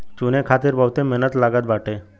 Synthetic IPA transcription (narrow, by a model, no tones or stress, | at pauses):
t͡ɕunekʰat̪iːɾbəwt̪ẽmɛnət̪laɡat̪baʈe